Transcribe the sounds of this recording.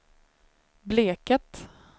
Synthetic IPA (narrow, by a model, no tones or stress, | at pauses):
bleːkət̪